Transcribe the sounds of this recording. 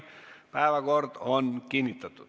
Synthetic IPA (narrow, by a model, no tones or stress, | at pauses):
pæˑeʋæɡort̪onkiːnːit̪ːɑt̪ːu